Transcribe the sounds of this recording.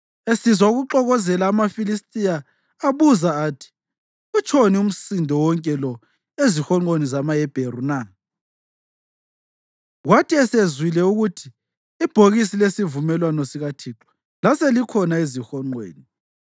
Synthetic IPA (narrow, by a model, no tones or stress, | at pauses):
esizauɣuǃɔɣɔzɛlaːmafilistʼijaː | βuzaːtʰi̥ | ut͡ʃʰonium̩sindʱɔwɔŋkʼɛlɔ | ezixɔŋ͡ǃonizamajɛb̥ʱeruna | ɣwatʰiɛsezwilɛuɣutʰiː | b̥ʱoɣisilesivumɛlwanɔsiɣatʰiːǁɔ̥ | laselikʰɔnaezixɔŋ͡ǃwḛːni